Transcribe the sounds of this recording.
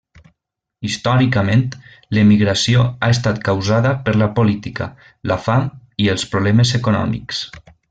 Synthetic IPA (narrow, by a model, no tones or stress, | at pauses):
ist̪ɔɾikəment̪ | ləmiɣɾasioaes̬t̪at̪kawzaðəpəɾləpolit̪ikə̰ | ləfamiəlˠspɾoβlɛməzekunɔ̰mḭks